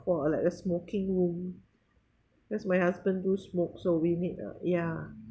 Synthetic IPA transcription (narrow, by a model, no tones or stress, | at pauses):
fɔəlaɪk̚əsmokɪ̃ŋɹũm | dɛsmajhasbə̃ndusmok̚sowinit̚ə̰ja